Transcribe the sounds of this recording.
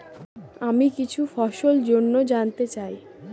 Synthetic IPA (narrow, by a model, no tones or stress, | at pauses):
amikit͡ɕʰufɔʃold͡ʑonːod͡ʑant̪et͡ɕaj